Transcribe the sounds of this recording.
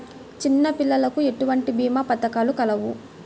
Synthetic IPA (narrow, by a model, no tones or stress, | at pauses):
t͡ʃinːɐpilːɐlɐkue̞ʈuʋɐɳʈibiːmaːpɐt̪ɐkaːlukɐlɐʋu